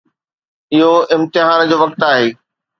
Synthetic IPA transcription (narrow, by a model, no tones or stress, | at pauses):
ɪɦoɪ̃mt̪ɪɦaːnd͡ʑoːʋɐk̚t̪aːɦeː